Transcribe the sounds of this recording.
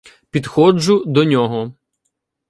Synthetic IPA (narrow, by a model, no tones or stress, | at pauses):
pʲid̪xɔd͡ʒʊd̪ɔnʲɔɦɔ